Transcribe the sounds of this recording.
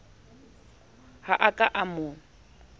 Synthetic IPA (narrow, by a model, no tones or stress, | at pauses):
haʔakʼaʔamʊ